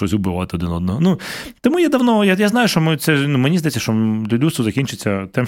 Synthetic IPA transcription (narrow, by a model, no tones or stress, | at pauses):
ɔsʲʊbɪʋɑt̪ɪɔd̪ɪnɔd̪nɔɦɔnut̪ɔmujɛd̪ɐwnɔjajaznɑjʊʃt͡ʃɔmɪt̪sɛnumenʲizd̪ɐjɛt͡sʲːɐʃt͡ʃɔlʲudʲust̪ʊzɐkʲinʲt͡ʃɪt͡sʲːɐt̪ɛm